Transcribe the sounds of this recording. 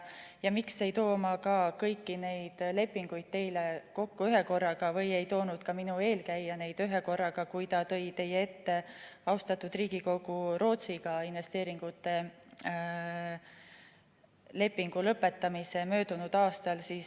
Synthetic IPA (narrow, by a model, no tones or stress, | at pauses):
jɑmikse̞jt̪o̞ːmɑkɑkɤjkːine̞jd̪̥le̞pːiŋɡ̥ujd̪̥̚t̪e̞jle̞ko̞kːuyɦe̞ko̞rːɑɡ̥ɑvɤje̞jt̪o̞ːnud̪̥kɑminue̞ːlkæjːɑne̞jd̪yɦe̞ko̞rːɑɡ̥ɑkujt̪ɑt̪ɤ̞jt̪e̞jːee̞t̪ːe̞ɑwst̪ɑt̪ːˑud̪̥riːɡ̥iko̞ɡ̥uɾo̞ːt̪siɡ̥ɑinve̞st̪e̞ːɾiŋɡ̥ut̪ːˑe̞ | le̞pːiŋɡ̥ulɤpːˑe̞t̪ːˑɑmise̞mø̞ːd̪̥unud̪̥ɑːst̪ɑlsiːs